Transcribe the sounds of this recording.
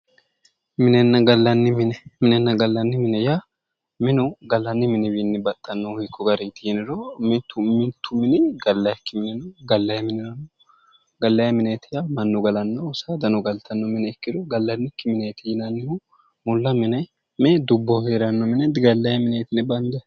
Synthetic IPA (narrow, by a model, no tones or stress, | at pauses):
mɪnɛnːɐɡɐlːɐnːɪmɪnɛmɪnɛnːɐɡɐlːɐnːɪmɪnɛja | mɪnʊɡɐlːɐnːɪmɪnɛwinːɪbɐt̪ʼːɐnːɔhɪkʰːɔɡɐɾɛt̪ɪɪnɪɾɔmɪt̪ʰːʊmɪnt̪ʰːʊmɪnɛɡɐlːɐjɐkːɪmɪnɛnɐɡɐlːɐjɐmɪnɪɾɐnːɔ | ɡɐlːɐjɐmɪnɛt̪ɪjamɐnːɔɡɐlɐnːɐwsɐd̪ɐnɔɡɐlt̪ʰɐnːɔmɪnɛɛkːɪɾɔɡɐlːɐnːɪkːɪmɪnɛt̪ɪjɪnɐnːɪhʊ | mʊlːɐmɪnɐj | mɛd̪ʊbːɔheːɾɐnːɔmɪnɛd̪ɪɡɐlːɐjɐmɪnɛt̪ɪnɛbɐnd̪ɛ